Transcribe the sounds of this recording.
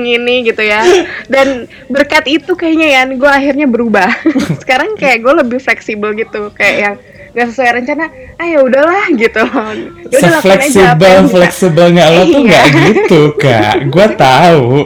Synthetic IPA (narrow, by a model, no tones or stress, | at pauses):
ŋiniɡit̪ujadan | bərkat̪it̪ukajaɲajanɡuaːɦirɲabəɾubahsə̥kaɾaŋkajaʔɡualəbɪhflɛksibəlɡit̪ukajaʔjaŋ | ɡaʔsəsuajɾəɲt͡ʃanaː | jaudahlahɡit̪uaudalaflɛsibəlflɛksibəlŋɡalat̪uŋɡaʔɡit̪uka̰ʔɡuat̪au